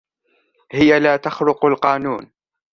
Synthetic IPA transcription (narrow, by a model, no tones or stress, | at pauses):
hɪjalaːt̪axɾʊqalqɑːnuːn